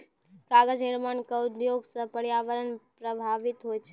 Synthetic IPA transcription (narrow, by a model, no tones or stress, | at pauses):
kaɡəd͡ʒnɪɾmankəud̪joɡsə̃pəɽjaʋəɾənpɾəbʱaʋɪt̪ɦojt͡ʃʰe